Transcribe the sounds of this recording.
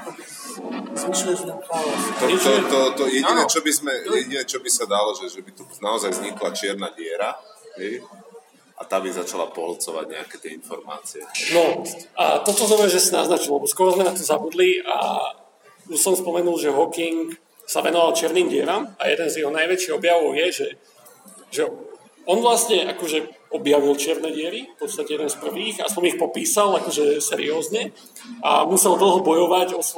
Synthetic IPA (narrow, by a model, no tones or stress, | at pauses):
ziʃlɛzaat̪ɔɔt̪ɔt̪ɔjɛinɛt͡ʃɔbizmɛjɛɟinɛt͡ʃɔbisad̪alɔʒɛʒɛbit̪unaɔzajzɲiklat͡ʃɪɛɾnaːɟɪɛɾaɦɛj | ʔat̪aːbizat͡ʃala̰pɔɦlt͡sɔʋa̰ɟɲɛ̰a̰kɛt̪ɪɛinfɔɾma̰ːt͡siɛnɔa̰t̪ɔt̪ɔzɔbɾɛʒɛsina̰znat͡ʃilɛbɔskɔɾɔzmɛnat̪ɔmzabud̪lia̰ | usɔmspɔmɛnulˠʒɛɦɔkiŋk | saʋɛnɔʋalˠt͡ʃɪɛɾniːmɟɪɛɾamajɛ̰d̪ɛnzjɛɦɔnajʋɛt͡ʃiɣɔbjaʋɔʊjɛʒɛ | ʒɛ | ɔnʋlasɲɛʔakɔʒɛɔbjaʋilˠt͡ʃɪɛɾnɛɟɪɛɾifpɔt̪st̪acɛjɛd̪ɛnspr̩ʋiːɣa̰sɔmixpɔpiːsalakɔʒɛsɛɾḭɔːzɲɛ | a̰musɛlˠd̪l̩ˠɦɔbɔjɔʋaɟɔs